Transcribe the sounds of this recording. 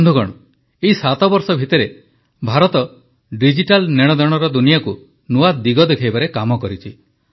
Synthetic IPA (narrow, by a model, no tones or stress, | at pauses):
nd̪ʱuɡɔ̰ɽ̃ɔ | esat̪ɔbɔɾsɔbʱit̪ɔɾe | bʱaɾɔt̪ɔ | ɖid͡ʒiʈalneɽ̃ɔd̪ɔɽ̃ɔɾɔd̪unijaku | nuad̪iɡɔd̪ekʰajbaɾekamɔkɔɾit͡ʃʰi